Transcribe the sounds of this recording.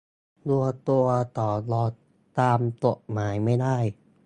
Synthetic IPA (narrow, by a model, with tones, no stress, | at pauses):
lu˧ɐt̪u˧ɐt̪ɔː˨˩lɔː˨˧˩ | t̪aː˧mt̪o˨˩maː˩˦jma˥˩jda˥˩j